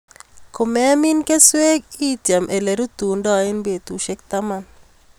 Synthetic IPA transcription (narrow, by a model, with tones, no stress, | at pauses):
ko˨mɛ˦mi˦nke˦swe˦ɡi˦t̪ja˨mʔe˨le˨ɾu˦t̪u˨ndɔ˦˨e˦nbe˨t̪u˨ʃe˦k̚t̪a˦ma˦n